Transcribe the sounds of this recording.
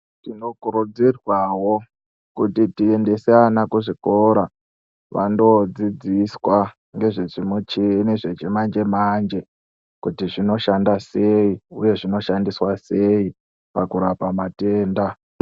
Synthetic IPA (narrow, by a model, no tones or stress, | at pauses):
tino̞kuɾud͡zirwaɦo̞ | kutitie̞nde̞seanakuʐiko̞ɾa | ʋa̰ndo̞d͡zid͡ziswa | ŋɡe̞ʐeʐimut͡ʃineʐet͡ʃemand͡ʒe̞mand͡ʒe̞ | kutiʐino̞ʃandase̞iuje̞ʐino̞ʃandiswase̞i | pakuɾapamate̞ːnda